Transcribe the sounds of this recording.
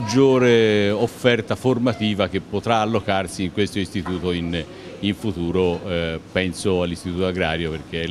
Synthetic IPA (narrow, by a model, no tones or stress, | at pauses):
d͡ʒːoːɾeofːɛrt̪aformat̪iːvak̟epːot̪ɾaːlːokarsiːŋkwest̪oist̪it̪uːt̪oin | iɱfut̪uːɾopɛnsoalːist̪it̪uːt̪oaɡɾaːɾjoperk̟e